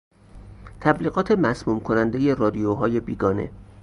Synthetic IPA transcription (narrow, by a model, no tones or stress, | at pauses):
t̪ʰæbliːɣɒːt̪ʰe̞mæsmuːmkʰonænd̪eje̞rɒːd̪ijoɦɒːje̞biːɡɒːne̞̰